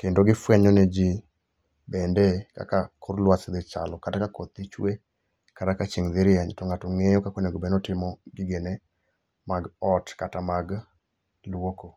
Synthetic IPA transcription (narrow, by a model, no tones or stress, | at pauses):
kendoɡɪfwɛɲɔnɛd͡ʒi | bɛndɛka̰kakʰʊɾlwasɪd̪ɪt͡ʃalɔkatakakɔt̪ɪt͡ʃwe | katakat͡ʃiŋd̪ɪɾɪjaɲtɔŋatoŋejokakoneɡobɛnɔtɪmɔɡɪɡene | maɡɔtkatamaɡ | lwoko